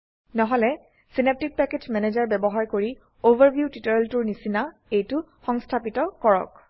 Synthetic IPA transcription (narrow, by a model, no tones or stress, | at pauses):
nɔɦɔlɛ | sinep̚tik̚pɛketmɛnezaɹbɛbɔɦaɹkoɹi | ovaɹbʱjutitɔɹɛltuɹnisina | ejtʊ | xɔŋstʰapitɔkɔɹɔ̰k̚